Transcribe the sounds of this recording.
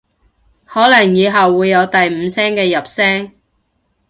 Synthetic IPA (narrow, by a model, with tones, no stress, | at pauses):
hɔː˨˥lɐ˨˩ŋjiː˨˧ɦɐ˨wːuː˨˧jːɐ˨˧wt̪ɐ˨jm̩˨˧sɛː˥ŋkɛː˧jɐ˨p̚sɛː˥ŋ